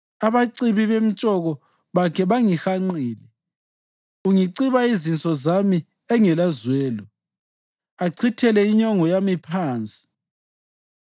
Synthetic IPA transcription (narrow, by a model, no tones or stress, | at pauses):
aβaǀiβiβem̩t͡ʃʼɔɣɔ | βakʰɛβaŋixaŋ͡ǃiːlɛ | uŋiǀiβaizint͡sʼɔzami | ɛŋɛlazwɛːlɔ | aǀʰitʰɛlɛiɲɔŋɔjamipʰaːnt͡sʼi̥